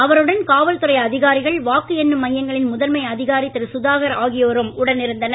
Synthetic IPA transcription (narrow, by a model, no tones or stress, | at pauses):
ɐʋɐɾɯɽɐnkaːʋɐlt̪ɯɾɐɪɐðɪɣaːɾɪɣɐɭʋaːkːɯɛnːɯmːɐjːɐŋɡɐɭɪnmʊðɐlmɐɪɐðɪɣaːɾit̪ːɪɾɯsʊðaːɣɐɾaːɣɪjoːɾɯmʊɽɐnɪɾɯnd̪ɐnɐ